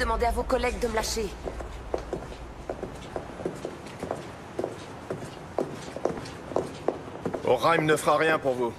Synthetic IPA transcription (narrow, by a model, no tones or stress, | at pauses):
əmɑ̃d̪eavokɔlɛɡ̚d̪əməlaʃe | ɔ̰ʁajmnəfχaʁjɛ̃puʁvu